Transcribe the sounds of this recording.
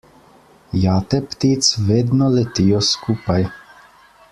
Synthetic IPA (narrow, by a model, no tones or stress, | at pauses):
jaːt̪ɛpt̪iːt̪sved̪nɔlet̪ijɔskupaj